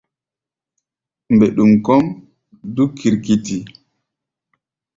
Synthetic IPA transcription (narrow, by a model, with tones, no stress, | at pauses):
mbe˨ɗu˨mkɔ˦m | du˦kʰi˨ɾki˨ti˨